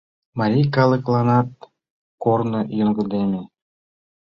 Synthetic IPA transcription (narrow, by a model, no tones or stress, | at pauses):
mɑɾʲijkɑlə̆klˠɑnɑt̪̚ | kornɤjoŋɡɤ̆d̪eme